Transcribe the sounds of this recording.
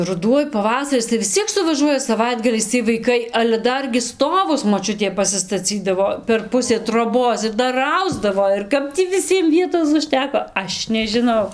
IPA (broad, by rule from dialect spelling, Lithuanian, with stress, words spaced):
rʊˈduɔj pɐˈʋɑːsɐrʲɪs tɐɪ ʋʲɪs ˈt͡sʲiɛk sʊʋɐˈʒuɔjɛ sɐˈʋɐɪdɡɐlʲɛɪs ˈt͡sʲiɛj ʋɐɪˈkɐɪ ɐlʲɛ ˈdɐrʲɡʲɪ ˈstoːʋʊs moːˈt͡ʃʲʊtʲeː pɐsʲɪstɐˈt͡sʲiːdɐʋoː pʲɛr ˈpʊsʲeː troːˈboːs ɪr ˈdɐr ˈɐʊzdɐʋoː ɪr ˈkɐp tʲiː ʋʲɪˈsʲiɛm ˈʋʲiɛtoːs ʊʃʲˈtʲæːkoː ˈɐʃ nʲɛʒʲɪˈnɐʊ